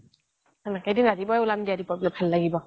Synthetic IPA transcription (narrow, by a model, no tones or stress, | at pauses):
anakadɯnadibɔjulamdiadibɔblapʰalːaɡibɔ